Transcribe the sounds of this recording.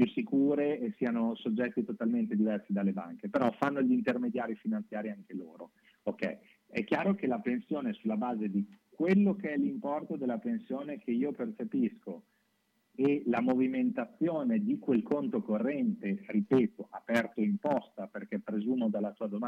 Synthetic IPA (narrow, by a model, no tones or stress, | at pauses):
pjusːikuːɾeːsiːanosod͡ʒːɛt̪ːit̪ot̪alment̪ed̪ivɛrsid̪alːeba̰ŋkepeɾɔfanːoʎint̪ermed̪jaːɾifinant̪sjaːɾiaŋkeloːɾo | okːɛ̰j | ɛ̰kːjaːɾokelapensjoːnesulːabaːzed̪ikwelːokeɛlimpɔrt̪od̪elːapensjoːnekʰeiːopert͡ʃepisko | elamoviment̪at̪sːjoːned̪ikwelkont̪okorːɛnt̪eripɛːt̪oʔapɛrt̪oimpɔst̪aperkɛpːɾezuːmod̪alːat̪uːad̪oma